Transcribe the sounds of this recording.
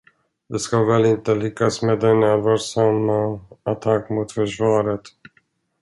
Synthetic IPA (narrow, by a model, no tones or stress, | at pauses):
d̪ɛskavɛlɪnt̪əlʏkːasmeːd̪ɛnɛlvaʂamːaat̪ʰakːmʊt̪fœʂvɑːɾət̪